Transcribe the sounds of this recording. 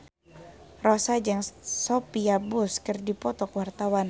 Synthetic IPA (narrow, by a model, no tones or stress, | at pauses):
rɔsad͡ʒəŋsopiabuskɨrdipɔt̪ɔkwart̪awan